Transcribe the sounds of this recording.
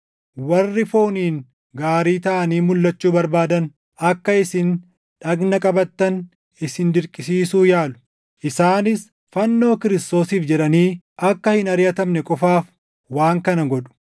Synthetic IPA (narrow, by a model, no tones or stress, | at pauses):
wɐrːɪfoːniːŋ | ɡaːɾiːt̪ɐʔɐniːmʊlːɐt͡ʃːuːbɐɾbaːd̪ɐn | ʔɐkːɐɪsɪn | ᶑɐɡnɐkʼɐbɐt̪ːɐn | ɪsɪnd̪ɪɾkʼɪsiːsuːjaːlʊ̥ | ʔɪsaːnɪs | fɐnːo̞ːkɪɾɪst̪o̞ːsiːfd͡ʒɛᶑɐniː | ʔɐkːɐhɪnɐɾjɐt̪ɐmnɛkʼɔfaːf | waːŋkɐnɐɡɔᶑʊ̥